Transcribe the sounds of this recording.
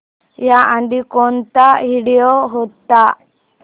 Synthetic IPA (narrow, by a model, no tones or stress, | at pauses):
jaʔãnd̪ikont̪aɦiɽijoɦot̪ːa